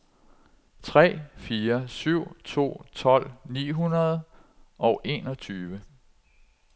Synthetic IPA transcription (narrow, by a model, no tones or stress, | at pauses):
t͡sʰʁɛ̰ːfiːɐsyʊ̰t͡sʰo̝̰ːt͡sʰɒ̽l̰nḭːɦunɐð̞̩ˠɒ̽ʊʔe̝ːnɒ̽t͡sʰyːʋə